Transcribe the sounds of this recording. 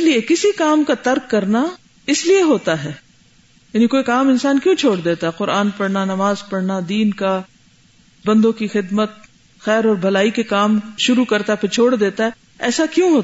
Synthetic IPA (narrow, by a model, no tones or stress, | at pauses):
ɪliekɪsikaːmkat̪ɐɾkːɐɾna | ɪslieɦoːt̪aɦɛː | jaːnikoːikaːmɪ̃nsaːnkjũːt͡ʃʰoːɽd̪eːt̪aɦɛqʊɾaːnpɐɽnanɐmaːzpɐɽnad̪iːnka | bɐ̃nd̪õkixɪd̪mət̪̚ | xɛːɾɔːɾbʱɐlaːikekaːmʃʊɾukɐɾt̪aɦɛpʰɪɾt͡ʃʰoːɽd̪eːt̪aɦɛ | ɛːsakjũɦoːt̪